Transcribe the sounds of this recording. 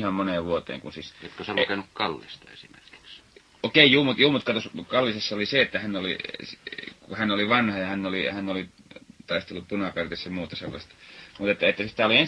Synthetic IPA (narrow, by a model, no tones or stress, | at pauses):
hɑmmoneːʋʋuot̪ˑḛːŋkṵnsisjot̪kosɑlukenukkɑlːḭst̪ɑesimḛrki̥ks | okeˑijuːmut̪juːmut̪kɑt̪oskɑlːisesːɑoliseet̪ːæhænolḭskuhænoliʋɑnhɑjɑhænːolihænːoli | t̪ɑist̪elːuppunɑkɑrt̪isjɑmuːt̪ɑsḛlːɑ̰st̪ɑ̥mut̪et̪ːæet̪ːæssi̥t̪æolien